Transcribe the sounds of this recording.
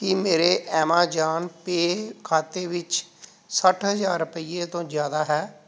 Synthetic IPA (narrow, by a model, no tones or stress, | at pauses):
kɪmeːɾeːʔɛːmãːd͡ʒaːnpeːkʰaːt̪eːʋɪt͡ʃ | səʈɦəzaːɾːʊpəiːeːt̪õːzjaːd̪aːɦɛː